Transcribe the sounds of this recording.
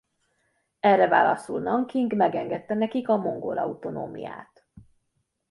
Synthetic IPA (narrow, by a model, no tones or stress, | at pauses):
ɛrːɛva̰ːlɒsulnɒŋkiŋɡmɛɡɛŋɡɛt̪ːɛnɛkikɒmo̞ŋɡo̰lɒut̪o̞no̰ːmḭja̰ːt̪